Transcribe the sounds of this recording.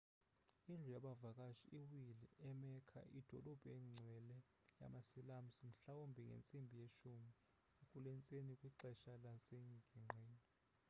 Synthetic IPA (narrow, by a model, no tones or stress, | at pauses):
ind͡ɮʱujaɓavakʼaʃiʔiwilḭʔɛmɛkʰa̰ʔid̥ʱɔlɔb̥ʱɛŋ͡ǀʱɛlɛ | ja̰masilam̩sim̩ɬawombʱiŋɡḛnt͡sʼimbʱijeʃumi | ekʼulɛnt͡sʼenikʼwiǃɛʃalaseɲiɡ̥ʱiŋ͡ǃʱweːni